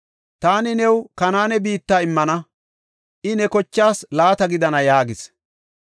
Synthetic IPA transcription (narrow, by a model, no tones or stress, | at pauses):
t̪aːnɪnɛwkɐnaːnɛbiːt̪ːaːɪmːɐnɐ | ʔɪnɛkɔt͡ʃːaːslaːt̪ɐɡɪd̪ɐnɐjaːɡɪs